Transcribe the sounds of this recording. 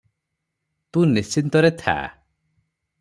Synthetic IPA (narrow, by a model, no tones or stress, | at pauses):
t̪ũnist͡ʃint̪ɔɾet̪ʰa̰